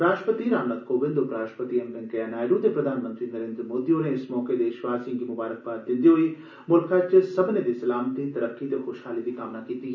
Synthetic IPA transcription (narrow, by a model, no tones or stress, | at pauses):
ɾaːʃʈəpət̪iɾaːʋnat̪koːbɪ̃nd̪opɾaːʃʈə̥pət̪iɐmbɐ̃ŋkɐjanaːjɾud̪epɾɐd̪ʱaːnmənt̪ɾinɐɾeːnd̪ɾəmoːd̪iõːneɪsmɔːked̪eːʃʋaːsĩŋkimʊbaːɾək̚baːɾd̪ɪ̃nd̪iɦoi | mʊlkat͡ʃsɐbned̪isɐlaːmt̪it̪ɐɾəkːit̪exoːʃɦaːlib̪ikaːmnakiːt̪iɦɛ